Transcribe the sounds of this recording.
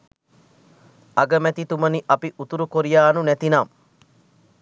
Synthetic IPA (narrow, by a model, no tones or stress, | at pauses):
ɐɡəmɛt̪it̪uməniʔɐpiʔut̪uɾukoɾijaːnunɛt̪inam